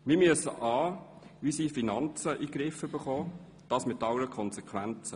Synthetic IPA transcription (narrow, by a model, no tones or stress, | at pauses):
mɪːmyəsə̰ʔɑː | ʋisiːfinɑnt͡səʔiɡɾɪfəbəχɔː | d̥ɑːsmɪtːɑləɾəkʰɔnsɛkʰʋænt͡sə